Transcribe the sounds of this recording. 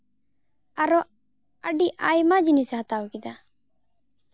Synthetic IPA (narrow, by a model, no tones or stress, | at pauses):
aɾɔ | aɖiʔajmad͡ʒinisɛɦat̪awkid̪a